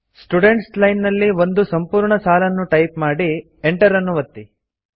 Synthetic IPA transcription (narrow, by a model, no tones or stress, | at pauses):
sʈuɖe̞ɳʈslɐjnnɐlːiʋo̞nd̪usɐmpuːɾɳɐsaːlɐnːuʈɐjpmaːɽi | eɳʈɐɾɐnːuʋɐt̪ːi